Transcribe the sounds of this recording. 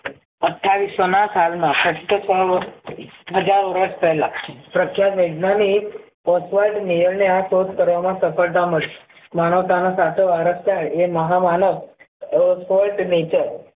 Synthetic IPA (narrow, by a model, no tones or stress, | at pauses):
əʈʰːaʋisonasalmãkəʈt̪ːəsɔ | ɦəd͡ʒaɾʋəɾəspɛɦlapɾəkʰjat̪ʋəɖnani | pɔsʋajʈnejəɾneasod̪kəɾʋamãsəfəɾt̪̬aməɭe | manəʋt̪anosat̪ʰeaɾəskaɽeməɦamanəʋ | ɔsʋɔlʈnet͡ʃəɾ